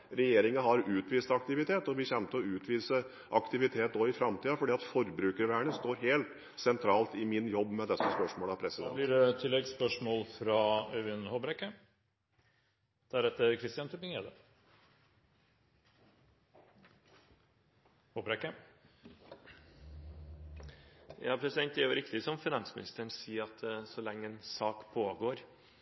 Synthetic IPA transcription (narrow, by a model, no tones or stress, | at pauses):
ɾɛjeːɾɪŋəɦɑɾʉːt̪ʋiːst̪ɑk̚t̪ɪʋɪt̪ʰeːt̪ɔʋɪçɛnt̪əɔʉːt̪ʰʋiːsə | ʔɑkt̪ɪʋɪt̪ʰeːt̪oːɪfɾɑmt̪ʰiːɑfɔɖiːɑt̪fɔɾbɾʉːkəɾʋæːɳəst̪oːɾɦeːlt̪ | sɛnt̪ʰɾɑːlt̪ɪmɪnjɔbːmɛd̪ɛsːəspœʂmoːlæpʰɾɛsɪd̪ɛ̰liɖɛt̪ʰɪlːɛɡspœʂmoːlfɾɑːœʋɪnhobɾɛkːə | d̪̥æɾɛt̪ːəɾkʰɾɪst̪ɪjɑnt̪ʰʉpɪŋeːd̪ə | hobɾɛkːə | jɑ̰ːpʰɾɛsɪd̪ɛnt̪æɾjʊɾɪkt̪ɪsɔmfɪnɑnsmɪnɪ̰st̪əɳsiːɑt̪sɔlɛŋːəɛnsɑːkpʰoːɡoːɾ